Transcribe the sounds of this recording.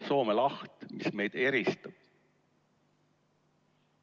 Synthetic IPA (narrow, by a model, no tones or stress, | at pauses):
so̞ːmelɑht̪misme̞jd̪̥e̞ɾist̪ɑb̥̚